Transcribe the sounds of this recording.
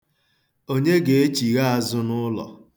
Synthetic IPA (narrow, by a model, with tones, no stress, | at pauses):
o˦ɲe˦ɡe˨e˦t͡ʃi˨ɣa˦a˨zʊ˦nʊ˦lɔ̰˨